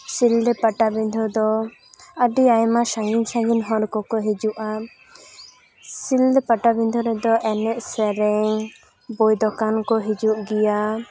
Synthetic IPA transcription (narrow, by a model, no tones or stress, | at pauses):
sild̪ɛpaʈabind̪ʱɔd̪ɔ | əɖiajmasaŋɡinsãŋɡinɦɔ̃ɾkɔkɔɦid͡ʒuʔa | sild̪ɛpaʈabind̪ʱɔɾɛd̪ɔʔɛnɛʔsɛɾɛŋ | bojd̪ɔkankɔɦid͡ʒuʔɡija